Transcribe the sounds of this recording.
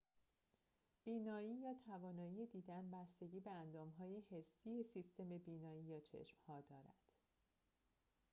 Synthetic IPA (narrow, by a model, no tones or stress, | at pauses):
b̥iːnɒːiːjɒːt̪ʰævɒːnɒːijed̪iːd̪ænbæst̪e̞ɟiːbe̞ænd̪ɒːmɦɒːje̞he̞sːiːesist̪e̞me̞biːnɒːiːjɒːt͡ʃʰe̞̰ʃmhɒːd̪ɒːɾæ̰d̪̥